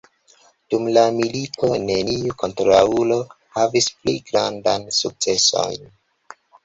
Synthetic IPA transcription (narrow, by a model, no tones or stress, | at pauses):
d̥umlamilito̞ne̞niuko̞ntɾaulo̞ | havisplḭɡɾa̰ndajnsuk̚t͡se̞so̞̰jn